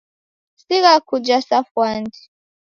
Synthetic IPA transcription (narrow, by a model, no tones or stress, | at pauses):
siɣakud͡ʒasafwandi̥